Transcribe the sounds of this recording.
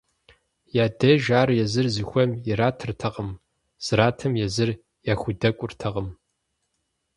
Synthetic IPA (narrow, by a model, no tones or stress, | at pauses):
jaːdɐʒaːrjɛzɨrzɨxʷɔmjɪɾaːtʰɨrtʰɐʁəm | z̥ɨɾaːtʰɐmjɛzɨr | jaːxʷʊdɐkʷʼʊrtʰɐʁəm